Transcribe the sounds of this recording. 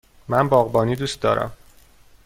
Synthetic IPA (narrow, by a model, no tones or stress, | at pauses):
mænbɒːɣbɒːniːd̪uːst̪̚d̪ɒ̰ːɾʔæ̰m